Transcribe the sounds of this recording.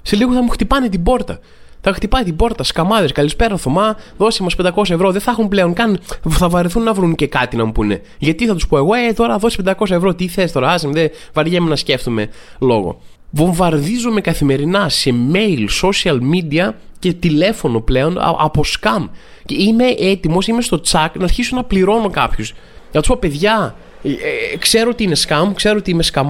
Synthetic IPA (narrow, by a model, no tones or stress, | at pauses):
se̞liɣoθɐmuxt̪ipɐnet̪̬ibo̞ɾt̪ɐ | θɐxt̪ipɐit̪ibo̞ɾt̪ɐskɐmɐðe̞skɐlispe̞ɾɐθomɐðo̞simɐspend̪ɐko̞s̬ɐevɾo̞ðeθɐxunple̞oŋkɐnθɐvɐɾiθunːɐvɾuncekɐt̪inɐmupune̞ | ʝɐt̪iθɐt̪uspo̞e̞ɣo̞et̪o̞ɾɐðo̞si̥pend̪ɐko̞sɐevɾo̞t̪iθest̪o̞ɾɐɐzimðe | vɐɾʝemenɐsce̞ft̪ume̞lo̞̰ɣo̰ | vo̞ɱvɐɾðizume̞kɐθime̞ɾinɐse̞me̞jlso̞siɐlmid̪iɐce̞t̪ile̞fo̞no̞ple̞o̞n̰ɐ̰po̞skɐm | cime̞ʔet̪imo̞sime̞st̪o̞t͡sɐknɐːɾçisunɐpliɾo̞no̞kɐpçus | ʝɐnɐt̪u̥spope̞ðʝɐ | kse̞ɾoot̪iine̞skɐmkse̞ɾoot̪iime̞skɐm